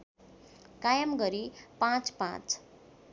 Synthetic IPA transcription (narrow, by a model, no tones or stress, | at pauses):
kajʌmɡʌɾipãt͡spã̰t͡s